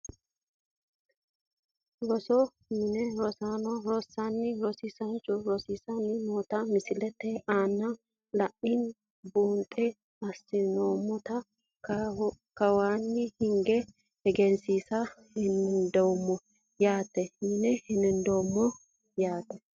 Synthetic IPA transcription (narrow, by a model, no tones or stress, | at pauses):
ɾɔsɔ | mɪnɛɾɔsaːnɔɾɔsːanːɪɾɔsisɐnt͡ʃːʊɾɔsisɐnːɪmoːt̪ɐmɪsɪlɛt̪ːɛʔaːnːɐ | lɐʔɪn | buːnt̪ʼɛ | ɐsːɪnoːmːɔt̪ɐ | k | kɐwaːnːɪhɪŋɡɛ | hɛɡɛnsiːsɐhɪnɪnd̪ɔwmːɔ | jaːt̪ːɛɪnɛhɪnːɪnd̪ɔwmːɔ | jaːt̪ːɛ